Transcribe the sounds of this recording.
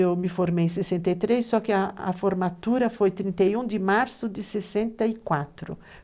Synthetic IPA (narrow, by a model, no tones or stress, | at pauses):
ewmɪfoɾmej̃s̬esɛ̃nt̪ajt̪ɾesːɔkɪaa̰foɾmat̪uɾɐfojt̪ɾĩnt̪ajũnd̪ɪmaɾsʊd̪ɪsesɛ̃nt̪aikwat̪ɾʊ̰